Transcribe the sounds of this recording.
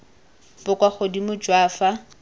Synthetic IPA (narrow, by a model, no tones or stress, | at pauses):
bʊkʼwaχodimʊd͡ʒwaːfa